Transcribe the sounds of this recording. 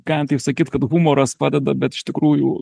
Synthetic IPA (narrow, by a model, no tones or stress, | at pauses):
kɑːnt̪ɐɪpsɐkʲiːt̪kɐt̪ɣumoːɾɐspɑːd̪ʲɛd̪ɐbʲɛt̪ɪ̥ʃt̪ʲɪkɾuːjʊ